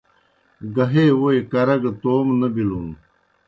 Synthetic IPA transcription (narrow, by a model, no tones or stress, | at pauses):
ɡɐɦeːwojkɐɾɐɡt̪oːmnɐbilun